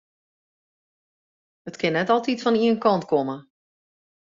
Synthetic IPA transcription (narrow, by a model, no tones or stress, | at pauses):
hətkɪnːɛtɔlˠtitfɔniənkɔntkomə